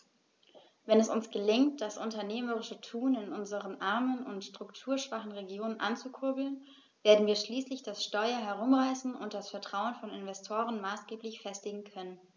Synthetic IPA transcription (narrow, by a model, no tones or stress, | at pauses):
vɛnɛsʊnsɡ̥əlɪŋt̚d̥asʔʊntɐneːməʁɪʃətʰuːnɪnʔʊnzəʁənʔaɐmənʊntʃtʁ̥ʊktʰuːɐʃv̥aχn̩ʁeɡjoːnənʔa̰nt͡sukʰʊɐbl̩n | veːɐdn̩viːɐʃliːslɪçd̥asʃtɔʏɐɦɛʁ̞ʊmʁaɪsn̩ʊ̰nt̚d̥asfɛɐtʁ̥aʊənfɔnɪnvɛstʰoːʁ̞ənmaːsɡ̥eːplɪçfɛstɪɡŋ̩kʰœnən